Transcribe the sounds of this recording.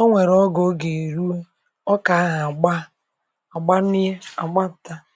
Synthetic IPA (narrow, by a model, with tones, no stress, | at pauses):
o˦ŋʷe˨ɾɔ˦ɡo˦ɡe˨ɾu˦e˦ | ɔ˦ka˨a˦ɣa˨a˨ɡ͡ba˦ | a˨ɡ͡ba˦ni˦e˦a̰˨ɡ͡ba˦˨ta˦